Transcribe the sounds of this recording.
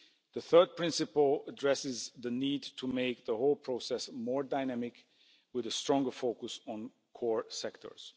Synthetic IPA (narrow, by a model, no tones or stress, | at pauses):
ðəθɜ˞d̚pʰɹ̥ɪ̃nsɨpl̩ˠədɹɛsɪzðəniːdtʰəmeɪk̚ðəhoʊlˠpʰɹ̥oʊsɛsmɔɹdaɪnæmɪk | wɪðəstɹ̥ɔ̃ŋɡə˞foʊkəsn̩ | kʰɔɹsɛktʰə̰˞z̥